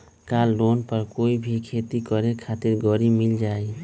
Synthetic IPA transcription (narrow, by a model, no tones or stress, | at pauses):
kalːonpəɾkoibʱikʰet̪ikəɾekʰat̪ɪɾɡəɾimild͡ʒae